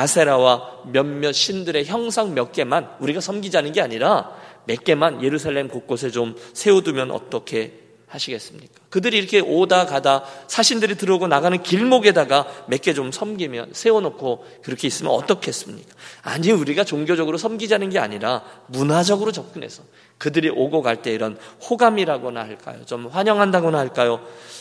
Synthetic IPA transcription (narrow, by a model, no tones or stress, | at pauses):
asʰe̞ɾawamjʌmmjʌɕ͈ʰindɯɾe̞çjʌŋsʰaŋmjʌk̚k͈e̞manuɾiɡasʰʌmɡid͡ʑanɯnɡe̞aɲiɾame̞k͈e̞manje̞ɾusʰaɭːemkok̚k͈os̬ʰe̞t͡ɕomsʰe̞odumjʌnʔʌ̰t͈ʌkʰe̞ | haɕʰiɡe̞s͈ɯmɲik͈ḁkɯdɯɾiːɾʌkʰe̞ʔodakadasʰaɕʰindɯɾitɯɾʌɡonaɡanɯnkiɭmoɡe̞daɡame̞k͈e̞t͡ɕomsʰʌmɡimjʌ̰nsʰe̞onokʰo | kɯɾʌkʰe̞is͈ɯmjʌnʌ̰t͈ʌkʰeɦes͈ɯmɲik͈ḁaɲiuɾiɡat͡ɕoŋɡjod͡ʑʌɡɯɾosʰʌmɡid͡ʑanɯnɡea̰ɲiɾamunad͡ʑʌɡɯɾot͡ɕʌp̚k͈ɯne̞̰sʰʌ | kɯdɯɾiʔoɡoɡaɭt͈e̞iɾʌnhoɡamiɾaɡonahaɭk͈a̰jo̰t͡ɕomɸwaɲʌŋɦandaɡonahaɭk͈ajo